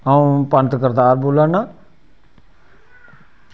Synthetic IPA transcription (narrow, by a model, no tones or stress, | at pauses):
aũːpənt̪kəɾd̪aːɾboːlaːnaː